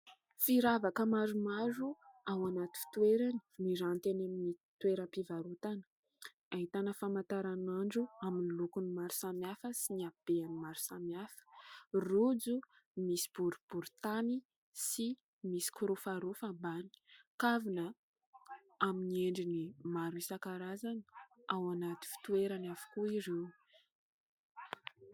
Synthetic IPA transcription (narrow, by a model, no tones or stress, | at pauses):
fiɾavakəmaɾumaɾuawanat̪u̥t̪ueɾani̥miɾant̪enaminit̪uweɾəpivaɾut̪anə̥ | aɦit̪anəfamat̪aɾanaɳɖ͡ʐuaminilukunimaɾu̥samjafəsiniab̥eanimaɾu̥samijafə̥rud͡zu | misi̥b̥uɾub̥uɾut̪ani | si | misi̥kuɾufaɾufambani̥kavinə | aminieɳɖ͡ʐinimaɾuisakaɾazanawanat̪i̥fi̥t̪ueɾanavu̥kuiɾe